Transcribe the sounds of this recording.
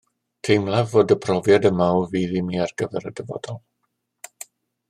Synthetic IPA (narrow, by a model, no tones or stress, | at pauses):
tʰejmlˠavoːdəpʰrɔvjadəmawviːðimiːarɡ̥əvɛɾədɛvɔ̰dɔlˠ